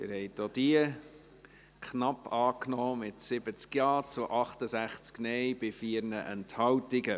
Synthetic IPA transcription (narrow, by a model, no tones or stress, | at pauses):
ɪɾhɛɪtd̥od̥̪iə | kχnɑpːɑːknɔːmɪtsɪbət͡skjɑːt͡sʊʔɑχtəzæχt͡sknɛjb̥ɪfiːəɾnəʔɛnthɑwtɪɡə